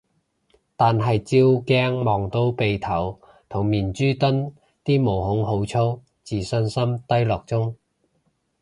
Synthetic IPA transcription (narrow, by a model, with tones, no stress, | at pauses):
t̪aː˨nɦɐ˨jt͡siː˧˥wkɛː˥ŋmɔː˨ŋt̪o˨˥wpe˨jt̪ʰɐ˨˩w | t̪ʰʊ˨˩ŋmiː˨nt͡ʃyː˥t̪ɵ˥n | t̪iː˥mo˨˩wɦʊ˨˥ŋɦo˨˥wt͡sʰo˥w | t͡siː˨sɵ˧nsɐ˥mt̪ɐ˥jlɔː˨k̚t͡sʊ˥ŋ